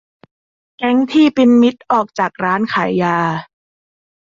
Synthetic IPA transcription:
kɛ˦˥ŋt̪ʰiː˥˩pi˧nmi˦˥t̪̚ʔɔː˨˩k̚t͡ɕaː˨˩k̚ɾaː˦˥nkʰaː˩˦jːaː˧

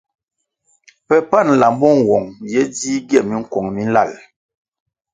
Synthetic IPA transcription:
pɛ˨pa˦˨n˨la˨m˦bɔ˦˨ŋ˨wɔ˨ŋjɛ˦diː˦ɡɛ˦˨mi˦ŋ̩˦kwɔ˨ŋmi˦n̩˦la˦˨l

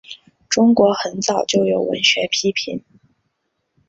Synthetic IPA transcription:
ʈ͡ʂʊ˥ŋkwɔ˧˥xə˧˥nt͡sɑ˨˩ʊt͡ɕjo˥˩ʊjo˨˩ʊwə̰˧˥nɕɥɛ˧˥pʰi˥pʰi˧˥n

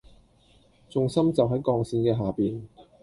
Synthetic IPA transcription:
t͡sʊ˨ŋsɐ˥mt͡sɐ˨wɦɐ˨˥jkɔː˧ŋsiː˧nkɛː˧ɦaː˨piː˨n

